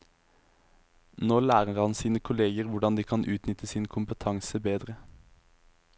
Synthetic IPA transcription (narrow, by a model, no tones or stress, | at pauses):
noːlæːʁəʁhɑnsiːnəkʰʊleːɡəʁʋʊɖɑnd̪iːkʰɑnʔʉːt̪nʏt̪əsiːnkʰʊmpət̪ʰɑŋsəbeːd̪ʁə